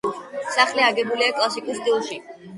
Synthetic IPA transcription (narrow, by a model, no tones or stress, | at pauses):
saχliaɡɛbuliakʼlˠasikʼusd̪ilˠʃi